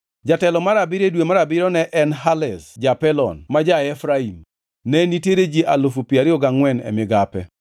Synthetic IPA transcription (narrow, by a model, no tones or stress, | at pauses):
d͡ʒatɛlɔmaɾabiɾedwemaɾabɪɾɔnɛʔɛnɦalɛsd͡ʒapɛlɔ̰nmad͡ʒaɛfɾaim | nɛniteɾed͡ʒiʔalofupiaɾɪɔɡaŋwɛnɛ̰mɪɡapɛ̰